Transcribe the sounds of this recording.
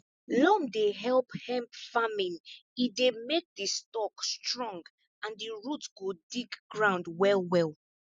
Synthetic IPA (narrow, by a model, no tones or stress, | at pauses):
lɔ̃mdeɦɛlˠphɛ̃mpfamĩnidemek̚distɔkstɹɔ̃ŋɡ | ãndiɹutɡ̥odiɡɡɹãʊ̃ndwɛlwɛlˠ